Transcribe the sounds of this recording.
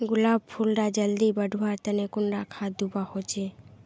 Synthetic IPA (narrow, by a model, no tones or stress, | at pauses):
ɡulabpʰulɖad͡ʒəld̪ibəɖʱuwaɾt̪ənekʊɳɖakʰad̪ubahot͡ʃe